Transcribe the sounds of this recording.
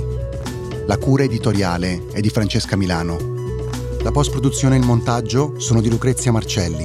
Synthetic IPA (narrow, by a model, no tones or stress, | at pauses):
lakuːɾaed̪it̪oɾjaːle | ɛd̪ːifɾant͡ʃeskamilaːno | lapɔst̪̚pɾod̪ut̪sːjoːneilmont̪ad͡ʒːosoːnod̪ilukɾet̪sːjamart͡ʃɛlːi